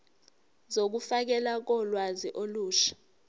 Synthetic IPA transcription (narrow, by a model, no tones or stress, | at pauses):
zok̬ufak̬ɛlak̬ɔlwaziʔoluːʃḁ